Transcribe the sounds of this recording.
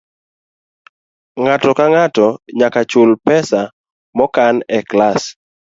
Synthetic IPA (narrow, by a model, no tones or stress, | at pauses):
ŋatɔkaŋatɔɲakat͡ʃʊlpɛsa | mɔkanɛklas